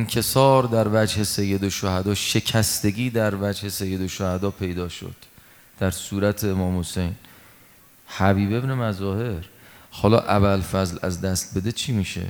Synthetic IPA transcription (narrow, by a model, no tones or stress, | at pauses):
nkʰe̞sɒːɾd̪æɾvæd͡ʒhe̞sejːe̞d̪oʃohæd̪ɒːʃe̞cʰæst̪e̞ɡiːd̪æɾvæd͡ʒhe̞se̞jːe̞d̪oʃohæd̪ɒːpʰe̞jd̪ɒːʃo̰d̪̥ː | æɾsuːɾæt̪ʰeːmɒːmhose̞jn | hæbiːbe̞bne̞mæzɒːhe̞ɾhɒːlɒ̰ːʔæβælfæzlæzd̪æst̪̚be̞d̪et͡ʃʰiːmiːʃḛ